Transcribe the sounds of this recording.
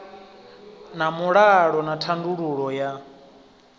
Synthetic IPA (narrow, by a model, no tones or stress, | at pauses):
namuɺaɺɔnatʰanduɺuɺɔja